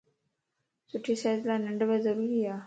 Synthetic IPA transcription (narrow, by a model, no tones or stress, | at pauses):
suʈʰisazlanɐɳɖəbazɐɾuɾija